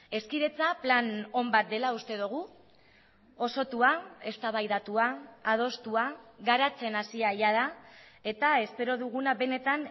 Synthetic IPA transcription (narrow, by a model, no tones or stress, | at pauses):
e̞skiðe̞t͡saplano̞mbat̪̚d̪e̞laust̪e̞ðuɣ̞u | o̞so̞t̪uae̞st̪aβajðat̪uaːð̞o̞st̪uaɣaɾat͡se̞nasiaʎað̞ae̞t̪ae̞spe̞ɾo̞ðuɣ̞unaβe̞ne̞t̪an